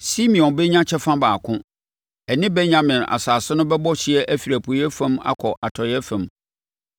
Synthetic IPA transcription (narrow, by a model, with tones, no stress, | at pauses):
si˦mĩ˨ɔ̃˨nbɛ˦ɲã˦t͡ɕʰɛ˦fã˦baː˨kʰʊ̃˦ | ɛ˨nɪ̃˦bɛ˦ɲã˨mɪ̃˨na̰˨saː˨sʊ˦nʊ̃˦bɛ˦bɔ˦ɕɪ˨ɛ˦ʔæ˦fi˨ɾæ˨pʰu˨˦ɛ˦fã˦ma̰˦kʰɔ˨ʔa˨tʰɔ˨ɾɪ˨˦ɛ˦fã˨m